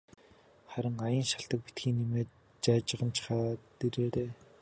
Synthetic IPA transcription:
χæɾʲɪ̆ŋajə̆nʃaɬt̪ə̆k̚pit̪xiːnːimeː | t͡ɕat͡ɕə̆ʁə̆nt͡ɕʰɪ̥χaːt̪eɾeːɾeː

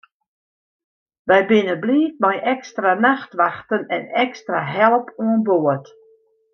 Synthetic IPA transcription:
ʋɛjbɪnəbliːt̚majʔɛkstranaxtʋaxtənɛ̰nɛkstraɦɛlˠəpʰuənboət

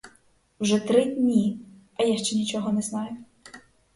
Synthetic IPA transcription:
wʒɛt̪ɾɪdʲnʲi | ɐjaʃt͡ʃɛnʲit͡ʃɔɦɔnɛznɑjʊ

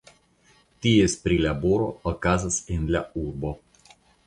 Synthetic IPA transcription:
t̪ʲijespɾʲilʲaboɾo̰ɔkazɐsɪnʲlʲauɾbo

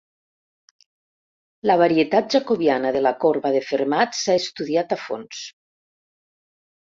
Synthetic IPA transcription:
laβ̞aɾiet̪at̪̚ʒakoβjanəðelakoɾβaðefeɾmat̪saest̪uðiat̪afo̰ns

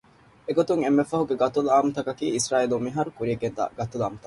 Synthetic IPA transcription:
eɡot̪uŋemːefɐɦuɡeɡɐt̪uluaːmut̪ɐkɐkiːisɾaːilumːiɦɐɾukuɾieɡend̪a̰ːɡɐt̪ula̰ːmut̪ɐ

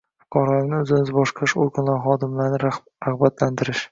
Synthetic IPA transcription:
fʊkʰɒɾaɪnɪɵzɪnɪzbɒʃqʰɑɾɪʃoɾɡʊnlaɾχɒd̪ɪmlaɾnɪ | ɾaχbat̪lant̪ʰɪɾɪʃ

